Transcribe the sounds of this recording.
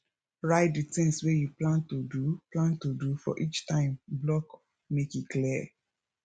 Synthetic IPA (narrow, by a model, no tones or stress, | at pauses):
ɹaɪt̚ditɪ̃ŋswejuplãntoduplãntodufɔ̰ʔit͡ʃtãɪ̃mblɔk | mekjikliɛ